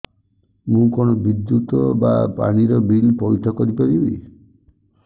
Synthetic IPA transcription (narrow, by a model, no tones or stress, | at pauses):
mũkoñɔbid̪jut̪ɔba̰pa̰ɽ̃iɾɔbilpɔjʈʰɔkɔɾipaɾibḭ